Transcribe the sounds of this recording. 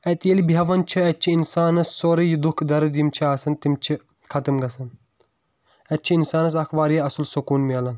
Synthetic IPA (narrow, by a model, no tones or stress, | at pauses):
ɛt̪jelibiɦɐʋɐnt͡ʃʰiɛt͡ʃʰiinsaːnɐsːoːɾijid̪ukʰd̪ɐɾɨd̪imt͡ʃʰiaːsɐnt̪imt͡ʃʰi | kʰɐt̪ɨmɡɐsɐn | ɛt̪̚t͡ʃʰiinsaːnɐs̬ɐxʋaːɾijɐɐsɐlsukuːnmiɐlɐn